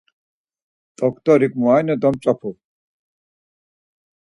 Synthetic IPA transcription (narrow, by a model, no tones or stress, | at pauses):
t̪ɔkt̪ɔɾikmuajnɔt̪̬ɔmt͡sɔpʰu